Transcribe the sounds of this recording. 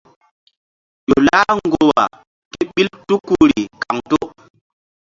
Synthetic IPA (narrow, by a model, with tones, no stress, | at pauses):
jo˨la˦ŋɡo˦wa̰˨ | ke˦ɓi˦ltu˦kːu˦ɾi˨ka˨ŋto˦